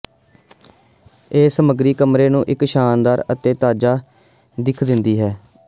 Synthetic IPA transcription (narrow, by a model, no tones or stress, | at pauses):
eːsəməɡɾiːkəmɾeːnũːʔɪkʃaːnd̪aːɾət̪eːt̪aːd͡ʒaː | d̪ɪkʰd̪ɪnd̪iːɦɛː